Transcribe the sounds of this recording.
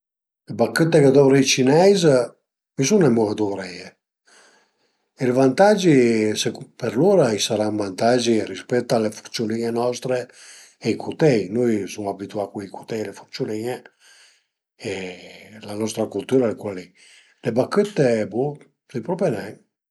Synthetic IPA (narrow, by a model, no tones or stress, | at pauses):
lebakːət̪ːeked̪ɔvɾeit͡ʃinɛjz | misunemuɣad̪uɾɛe | elvant̪ad͡ʒisepeɾluːɾaisaɾaɱvant̪ad͡ʒiɾispɛt̪ːalefu̥ɾt͡ʃjuliɲenɔst̪ɾeː | ikʰut̪ɛjnojsumabit̪uakiikut̪ɛjlefuɾt͡ʃjuniɲe | elanɔst̪ɾakult̪uɾalekwali | lebakːət̪ːebu | sipɾɔpenɛj